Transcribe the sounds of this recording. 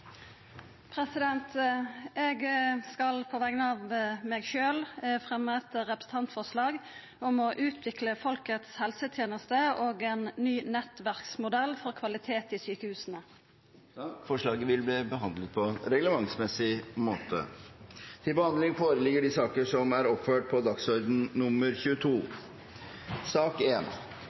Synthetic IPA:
pʰɾɛsɪd̪ɛnt̪ | ɛɡskɑlpʰoːʋæɡənɑːʋmɛɡʃøːlfʁɛmɛt̪əɾɛpɾə̥sn̩t̪ʰɑnt̪fɔʁʂlɑːɡ | ɔmɔʔʉːt̪ʰʋɪkləfɔlkət̪shɛlsət̪ʰjeːnəst̪əoːɡɛnːyːnɛt̪ʋæʁksmʊd̪ɛlːfɔʁkʰʋɑlɪt̪ʰeːt̪ɪsyːkəhʉːsənə | fɔʂɭɑːɡəʋɪlbliːbəɦɑnd̪lət̪̚pʰɔɾɛɡləmɑŋsmɛsɪmoːt̪ʰə̰ | t̪ʰɪlbəhɑnd̪lɪŋfoːɾəlɪɡəɖɪsɑːkəʂɔmæɾɔpføːʈ̚pʰɔd̪ɑksɔɾd̪n̩nʊmːəɾçʉːət̪ʰuː | sɑːkeːn

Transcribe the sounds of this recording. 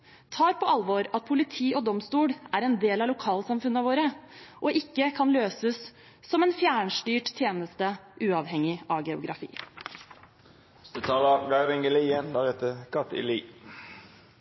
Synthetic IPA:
t̪ʰɑːɾpʰɔʔɑlʋoɾɑt̪̚pʰʊlɪt̪ʰiːʔɔd̪ɔmst̪uːɽæɾɛnd̪eːlɑʋlʊkʰɑːlsɑmfʉnːəʋoːɾəʔɔʔɪkːəkʰɑnløːsəsː | ɔmɛːnfjæːɳʂʈyːʈt̪ʰjeːnəst̪əʔʉːɑʋhɛŋɪʔɑʋɡɛʊ̰ɡɾʔɑ̰fḭː | sd̪ət̪ʰɑːlɑɡɑɪɾɪŋɡəliənd̪æʁɛt̪əkʰɑt̪ɪ̰liː

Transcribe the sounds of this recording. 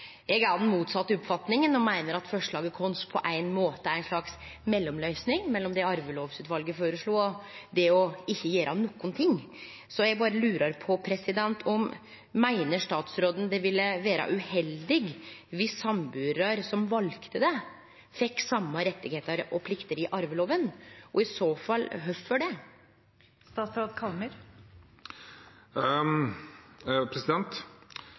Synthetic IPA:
jɛɡɑd̪nmuːt̪sɑt̪ːəɔpfɑt̪nɪŋənɔmæɪnəɾɑt̪fɔʂɭɑːɡəkʰɔnspʰɔ̰ʔæɪnmoːt̪əææɪnʂɭɑks | mɛlːɔmlœʏsnɪŋmɛlːɔmd̪ɛɑɾʋəloːʋsʉːt̪ʋɑlɡəfoːɾəʂɭuːɔd̪ɛɔɪçːəjeːɾɑnɔkːʊnt̪ʰɪŋː | sɔjæɡbɑːɾəlʉːɾɑɾpʰɔpʰɾɛsɪd̪ɛnt̪ʰɔmː | æɪnəʂt̪ɑːt̪sɾoːd̪ən̩d̪ɛʋɪlːəʋæːɾɑ̰ʔʉhɛld̪ɪɡʋɪsɑmbʉːɾɾɑɾsɔmʋɑlkt̪əd̪ɛ | fɛkːsɑmːɑɾɛt̪ːɪɡheːt̪ɑɾɔpʰlɪkt̪əɾɪʔɑɾʋəloːʋənʔɔɪsoːfɑlːɦœffɔɖɛ | st̪ɑːt̪sɾoːd̪kʰɑlməɾ | pʰɾɛsɪd̪ɛnt̪

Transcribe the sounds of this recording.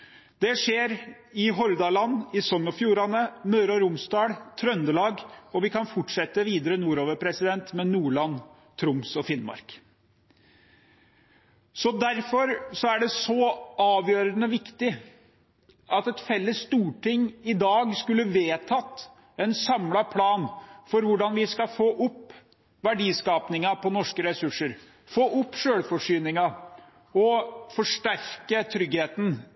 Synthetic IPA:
d̪ɛʂeːɾ | ɪɦɔɾd̪ɑlɑnːɪsɔŋːɔfjuːɾɑnəmøːɾɑɾʊmst̪ɑːɽt̪ʰɾœnd̪əlɑːɡɔʋɪkɑnfɔʈʂɛt̪ːəʋiːd̪əɾənuːɾoːʋəɾpʰɾɛsɪd̪ɛnt̪mɛnuːɭɑnː | t̪ʰɾʊmsɔfɪnmɑ̰ɾk | sɔd̪æɾfɔɾsɔæɖɛsɔɑːʋjøːɾənəʋɪkt̪ɪ | ʔɑt̪ɛt̪fɛlːəsːt̪uːʈɪŋːɪd̪ɑːɡskʉlːəʋeːt̪ʰɑːt̪ː | ɛnsɑmlɑpʰlɑːnfɔɾʋʊɖɑnʋɪskɑfoːʔʊpː | ʋæɖiːskɑːpnɪŋɑpʰɔnɔʂkəɾɛsʉʂːəɾ | foːʔʊpːʂøːɽfɔʂyːnɪŋɑ | ɔfɔʂʈæɾkət̪ʰɾʏɡheːt̪n

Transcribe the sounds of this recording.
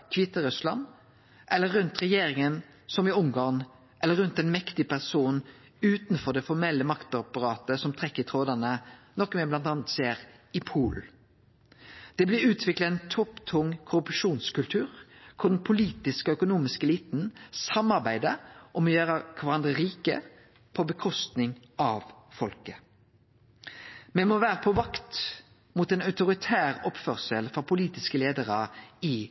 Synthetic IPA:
kʰʋɪt̪ːəɾʉslɑ̰n | ʔɛlːəɾːʉnt̪ʁɛjeːɾɪŋən | sɔmɪʊŋɡɑːn | ʔɛlːəɾːʉnt̪ɛnmɛkt̪ɪpʰæʁsuːn | ʉːt̪nfɔɾd̪ɛfɔɾmɛlːəmɑkt̪ɑpəɾɑːt̪əsɔmt̪ʰʁɛkːət̪ʰʁoːd̪ɑnənɔkːmɛblɑnt̪ɑːnət̪seːɾɪpʰuːl | d̪̥ɛblɪɾʉːt̪ʰʋɪkləɛnt̪ʰɔpt̪ʰʊŋkʰʊɾʉpʂuːnskʉlt̪ʰʉːɾkʰʊd̪npʰʊliːt̪ɪskɔœkʊnuːmɪskəliːt̪nsɑmɑʁbæɪd̪əʔɔmɔjøːɾəkʰʋɑɾɑnd̪ʁəʁiːkə̰ | pʰɔbəkʰɔst̪nɪŋ | ɑʋfɔlkə | mɛmɔʋæːʁəpʰɔʋɑkt̪ | mʊt̪ɛnɑʉt̪ʊʁɪt̪ʰæːʁɔpfœʁsəlfɾɔpʰʊliːt̪ɪskəleːd̪əʁəɪ

